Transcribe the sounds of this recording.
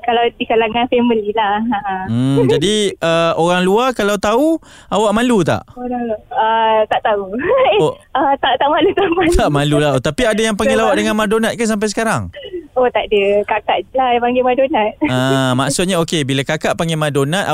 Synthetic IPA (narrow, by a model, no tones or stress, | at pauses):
kalawdikalaŋanfeməlilahaam̩adiəoɾaŋluakalawt̪au | awaʔmãlut̪a̰ʔonaət̪aʔt̪auoət̪aʔt̪aʔmãlut̪amant̪aʔmãlulaot̪apiadajaŋpaɡelawaʔdəŋanmadonat̪̚kans̬amp̬ajsə̥kaɾaŋot̪aʔdəkakaʔd͡ʒlahjapaŋɡemadonat̪̚amaʔsʊt̪̚ɲaokebilakakaʔpaŋɡemadonat̪̚